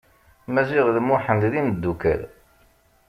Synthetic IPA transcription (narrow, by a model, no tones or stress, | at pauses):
mæziʁðmʊħənd̪ðind̪ːukæ̰l